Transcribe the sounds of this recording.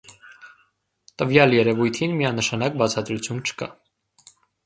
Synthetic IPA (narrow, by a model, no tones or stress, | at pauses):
t̪əvjɑljɛɾɛvujt̪ʰinmiɑnəʃɑnɑk̚bɑt͡sʰɑd̪ɾut͡sʰjunt͡ʃʰə̥kɑ̰